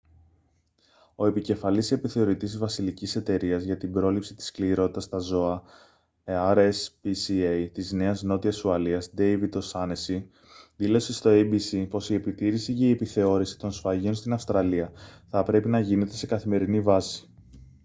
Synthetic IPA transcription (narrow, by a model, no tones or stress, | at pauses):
o̞e̞pice̞fɐlise̞piθe̞o̞ɾit̪isvɐsilicise̞t̪e̞ɾiɐzʝɐt̪ibɾo̞lipsit̪i̥skliɾo̞t̪i̥t̪ɐst̪ɐzo̞ɐ | ɐɾespisiejt̪izne̞ɐzno̞t̪iɐsuɐliɐzd̪e̞jvid̪osɐnesi | ðilo̞se̞st̪o̞ejbisipo̞sie̞pit̪iɾisiʝɐiepiθe̞o̞ɾisi̥t̪o̞nsfɐʝio̞nst̪inɐfst̪ɾɐliɐθɐpɾe̞pinɐʝine̞t̪e̞se̞kɐθime̞ɾinivɐsi̥